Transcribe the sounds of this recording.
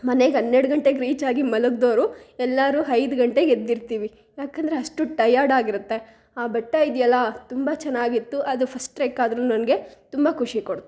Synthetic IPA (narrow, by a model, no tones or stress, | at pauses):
mɐneɡɦɐnːeɽɡɐɳʈeɡɾiːt͡ʃaːɡimɐluɡd̪o̞ːɾuɛlːaːɾuːɦɐjd̪ɡɐɳʈe̞ɡed̪ːiɾt̪iːʋi | jaːkend̪ɾeɐsʈuʈɐjaːɾɖaːɡiɾut̪ːe̞ | aːbɛʈːaid̪ijɐlːɐt̪umbɐt͡ʃɛnːaːɡit̪ːuʔɐd̪upʰɐsʈɾeːkaːd̪ɾuːnɐnɐɡe̞t̪umbɐkʰuʂikoɽt̪u